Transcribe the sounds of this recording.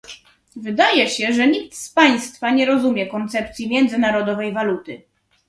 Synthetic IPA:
vɘd̪ajɛɕɛʐɛɲik̚t̪spaj̃st̪faɲɛɾɔzumʲjɛkɔnt̪sɛp̚t̪sʲjimʲjɛnd̪zɘnaɾɔd̪ɔvɛjvalut̪ɘ

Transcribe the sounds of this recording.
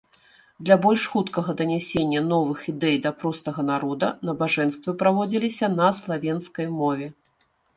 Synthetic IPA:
d̪lʲɐbɔlʲʂxut̪kɐɣɐd̪ɐnʲɛsʲenʲːɐnɔvɨxid̪ɛjd̪ɐpɾɔst̪ɐɣɐnaɾɔd̪ɐnɐbaʐɛnst̪vɨpɾavɔd͡zʲilʲisʲɐnɐslˠavʲenskɐjmɔvʲɛ

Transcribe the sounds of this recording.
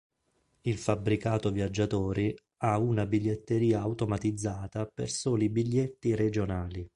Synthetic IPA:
ilfabːɾikaːt̪ovjad͡ʒːat̪ɔːɾi | aunabiʎːet̪ːeɾiːaːwt̪omat̪id̪zːaːt̪apḛrsoːlibiʎːet̪ːired͡ʒonaːli

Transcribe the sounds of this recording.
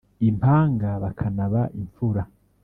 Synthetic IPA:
impʰaːŋɡaβakʰanaβaʔiɱfuɾa

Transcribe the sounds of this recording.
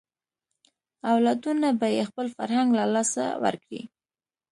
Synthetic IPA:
awlad̪unabajexpəlfaɾhaŋɡlalɑsa̰wə̰ɾkɽḭ

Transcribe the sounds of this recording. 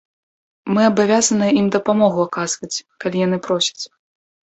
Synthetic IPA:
mɨɐbavʲazɐnɨjɛimd̪ɐpamɔɣuakazvɐt͡sʲkalʲijan̪ɨpɾɔsʲɐ̥t͡sʲ

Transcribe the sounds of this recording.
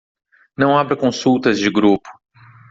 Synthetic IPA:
nɐ̃w̃abɾɐkõsuwt̪ɐzd͡ʒɪɡɾupʊ̥

